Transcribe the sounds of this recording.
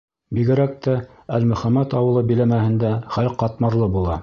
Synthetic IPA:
biɡɘ̆ɾæk̚t̪æ | ælmɵ̆χæmæt̪ɑwɤ̆lˠɤbilæmæhɘ̆nd̪æχælqɑt̪mɑɾlˠɤbulˠɑ

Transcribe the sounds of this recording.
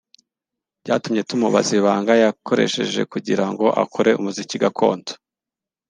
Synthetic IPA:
ɟaːtumɲe̞tumuβa̰ziβaːŋɡajakʰo̞ɾe̞ʃe̞̰ʒe̞̰kuɟiɾaŋɡo̞ʔa̰kʰoɾe̞umuziciɡakʰo̞̰ːntʰo̥

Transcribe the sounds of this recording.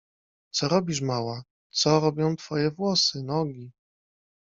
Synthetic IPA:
t̪sɔɾɔbʲiʂ̬mawa | t̪sɔɾɔbʲjɔ̃w̃t̪fɔjɛvwɔsɘnɔɡʲi

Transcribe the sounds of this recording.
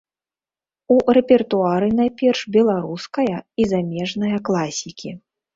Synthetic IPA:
urɛpʲɛrt̪uaɾɨn̪ajpʲɛrʂbʲɛlˠaɾuskɐjɐizamʲɛʐnɐjɐklˠasʲikʲi

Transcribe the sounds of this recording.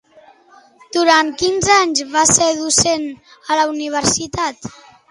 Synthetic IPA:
d̪uɾankinzaɲzβaseðusen | ələuniβ̞əɾsit̪at̪

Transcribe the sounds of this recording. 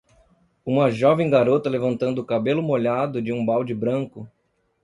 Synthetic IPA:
ũmɐʒɔvẽj̃ɡaɾot̪ɐlevɐ̃nt̪ɐ̃nd̪ʊːkabelʊmoʎad̪ʊd͡ʒɪũbawd͡ʒɪbɾɐ̃ŋkʊ

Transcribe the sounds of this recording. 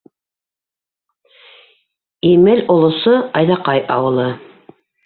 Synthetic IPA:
imɘlŏlˠŏsoɑjðɑqɑjʔɑwɤ̆lˠɤ

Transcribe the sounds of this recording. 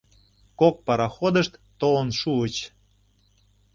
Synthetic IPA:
kok̚pɑɾɑxod̪əʃt̪ːolə̆nʃuət͡ɕ

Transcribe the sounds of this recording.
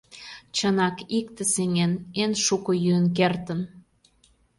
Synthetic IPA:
t͡ɕənɑkikt̪eseŋenenʃukojyənk̬ert̪ən

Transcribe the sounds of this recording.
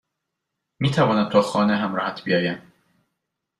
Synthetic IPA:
miːt̪ʰævɒːnæ̥t̪ʰɒːxɒːneɦæmɾɒːhæt̪ʰbijɒːjæm

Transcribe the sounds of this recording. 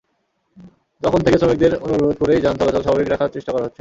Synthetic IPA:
d͡ʑɔkʰont̪ekeʃomek̚d̪eɾonuɾɾod̪̚ʱkoɾejd͡ʑannt̪ɔleɔleʃabʱabikɾakʰaɾt͡ɕeʃʈakɔɾaɦotːɕʰe

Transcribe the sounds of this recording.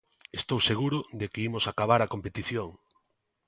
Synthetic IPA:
est̪owseɣ̞uɾʊðekeimʊsakaβ̞aɾakompet̪iθjoŋ

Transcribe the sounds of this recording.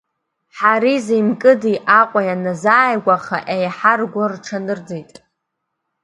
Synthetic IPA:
ħaɾizejmkʼɨdijʔaqʷʼajanazaːjɡʷaχaʔejħarɡʷarʈ͡ʂʰanɨrd͡zejtʼ

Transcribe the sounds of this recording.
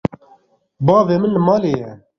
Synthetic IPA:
bɑːveːmənləmɑːleːjɛ

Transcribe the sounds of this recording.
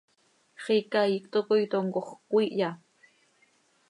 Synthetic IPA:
χikajikt̪okojt̪oŋkoχkʷiʔja

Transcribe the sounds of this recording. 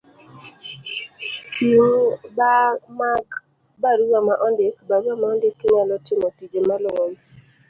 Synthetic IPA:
tʰimbamaɡ | baɾuamaʔɔndekbaɾuamaɔndekːɪɲalɔtɪmɔtid͡ʒemalwɔl

